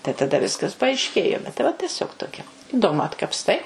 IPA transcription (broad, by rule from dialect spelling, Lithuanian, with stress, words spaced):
tɐɪ tɐˈdɐ ˈʋʲɪskɐs pɐɐɪʃʲˈkʲeːjoː bʲɛt tɐɪ ˈʋɐ tʲɛˈsʲoːk toːˈkʲɛ ɪˈdoːmʊ ɐtkɐpsˈtɐɪ